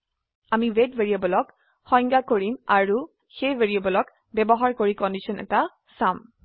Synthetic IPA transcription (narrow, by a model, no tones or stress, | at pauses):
amiwetbeɹiabɔlɔk | xɔ̃jŋɡakoɹimaɹu | xejbeɹiɔbɔlɔk | bɛbɔɦaɹkoɹikɔndisɔnɛ̰ta | sam